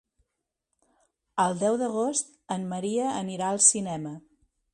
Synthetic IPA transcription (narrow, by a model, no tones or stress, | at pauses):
əlˠd̪ɛwðəɣ̞ost̪ | ənməɾiəːniɾaəlˠsinɛmə